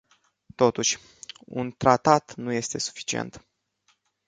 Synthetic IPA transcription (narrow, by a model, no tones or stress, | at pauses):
t̪o̞t̪uʃʲ | ṵnt̪ɾat̪at̪nuje̞st̪e̞su̥fi̥t͡ʃiḛnt̪